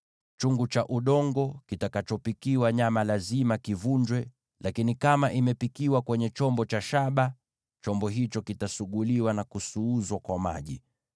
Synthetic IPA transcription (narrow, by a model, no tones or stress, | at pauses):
t͡ʃuŋɡut͡ʃaʔuɗɔŋɡɔkitakat͡ʃɔpikiwaɲamalazimakivuɲd͡ʒwɛ | lakinikamaʔimɛpikiwakwɛɲɛt͡ʃɔmbɔt͡ʃaʃaɓa | t͡ʃɔmbɔɦit͡ʃɔkitasuɠuliwanakusuuzwakwama̰ʄi